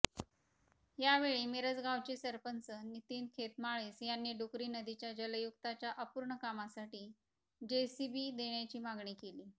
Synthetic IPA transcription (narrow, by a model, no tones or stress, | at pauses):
jaʋeɭiːmeɾət͡sɡawt͡ɕesəɾpənsənit̪iːnkʰet̪maɭiːsjanːiːɖukɾiːnəd̪it͡ɕjad͡ʑələjukt̪at͡ɕjaʔəpuːɾɳəkamasaʈiː | d͡ʑesibiːd̪eɳjat͡ɕiːmaɡɳiːkeliː